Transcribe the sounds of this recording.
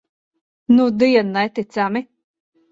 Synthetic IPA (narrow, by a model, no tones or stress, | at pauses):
nud̪iɛnːɛt̪it̪sami